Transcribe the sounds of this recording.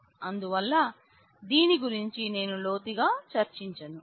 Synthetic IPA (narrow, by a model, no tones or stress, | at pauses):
ɐnd̪uʋɐlːɐ | d̪iːniɡuɾiɲt͡ʃine̞ːnulo̞ːt̪iɡaːt͡ʃɐɾt͡ʃiɲt͡ʃɐnu